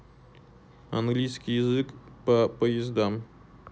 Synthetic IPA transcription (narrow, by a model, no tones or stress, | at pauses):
aŋɡlʲijskʲijɪzɨkpəpəjɪzd̪am